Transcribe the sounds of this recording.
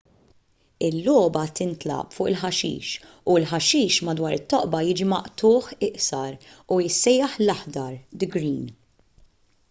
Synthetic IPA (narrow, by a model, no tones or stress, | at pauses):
ɪlːɔːbɐt̪ɪnt̪lɐ̰pfʊːʔɪlħɐʃḭːʃ | uɪlħɐʃiːʃmɐd̪wɐːɾɪt̪ːɔʔbɐjɪːd͡ʒimɐʔt̪ʊːħɪʔsɐɾujɪsːɛjːɐħlɐħd̪ɐɾd̪ɪɡɾiːn